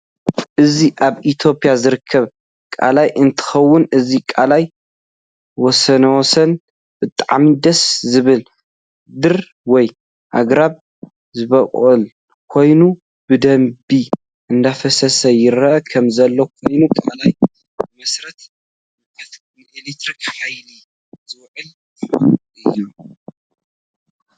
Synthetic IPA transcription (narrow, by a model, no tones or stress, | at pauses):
ʔɨziʔaβʔit̪ʰjo̞pʼjazɨɾɨkʰːɐβ | kʼa̰lajʔɨnt̪ʰɨ̥xɐwːʊnɨzikʼalaj | wɔsɐnɐwɔsɐn | b̥ɨt̪ʼaʕmid̪ɐszɨβɨl | d̪ɨɾ | wɔj | ʔaɡɾaβ | zɨβɐkʼɨl | kʰo̞jnu | bɨd̪ɐmbi | ʔɨnd̪afɐsɐsɐjɪɾɐʔkʰɐmzɐlːokʰo̞jnukʰʼɐʔalaj | bɨmɐsɾɐt̪ | kʰɐt̪ | nɨʔelet̪ɾikħajli | zɨwʕɨl | ɨjːu